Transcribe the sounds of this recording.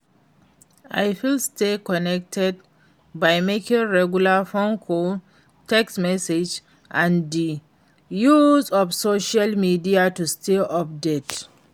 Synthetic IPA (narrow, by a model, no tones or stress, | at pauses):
ʔa̰jfilstekɔnɛk̚tʰɛd̚ | bajmekĩŋɹɛɡjulafõnkʰo | tɛksmɛsed͡ʒ | ʔãndi | juzɔfsoʃalmidiatustʰeʔɔp̚det